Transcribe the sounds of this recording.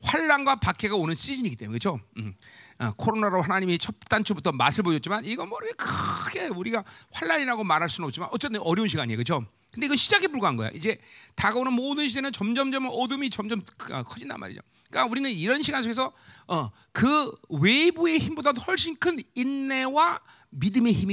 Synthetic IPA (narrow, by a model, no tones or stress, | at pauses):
ɸwaɭːanɡwapak͈ʰe̞ɡaonɯns͈id͡ʑiniɡit͈emnekɯt͡ɕʰo | ʌ̰kʰoɾonaɾoɦanaɲimit͡ɕʰʌp̚t͈ant͡ɕʰobutʰʌma̰sʰɯɭboɕʰʌtt͡ɕimaniɡʌnmʌɾkʰekɯɡe̞uɾiɡaɸwaɭːaɲiɾaɡomaɾɦaɭs͈unʌp̚t͡ɕima̰nʔʌtt͡ɕ͈et͈ɯnʌɾjʌunɕʰiɡaɲiekɯt͡ɕʰo | kɯnd̪e̞iɡʌnɕʰid͡ʑaɡʰepuɭɡoɦanɡʌj̰o̰ʔid͡ʑe̞taɡʌnɯnmoːdɯnɕʰidenɯnt͡ɕʌmd͡ʑʌmd͡ʑʌmʌdumit͡ɕʌmd͡ʑʌmʌ̰kʰʌd͡ʑinda̰nmʔa̰ɾḭd͡ʑo̰ | k͈auɾinɯniɾʌnɕʰiɡans̬ʰoɡe̞s̬ʰʌʌ | kɯwe̞bue̞çimbodaohʌɭɕ͈inkʰɯninːe̞wa | midɯme̞çimi